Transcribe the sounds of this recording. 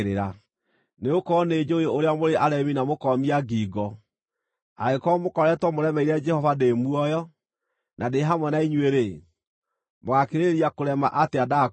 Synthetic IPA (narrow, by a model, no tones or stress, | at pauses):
ɾeɾa | neokɔned͡ʒoeoɾeamoɾeʔaɾɛminamokɔmiaɡiːɡɔ | aɾekɔmokɔɾɛtwɔmoɾɛmɛiɾɛd͡ʒɛhɔvademuɔjɔ | nʔadeɦamwɛnaiɲweɾe | moɣakeɾeɾiakoɾɛma̰ʔateada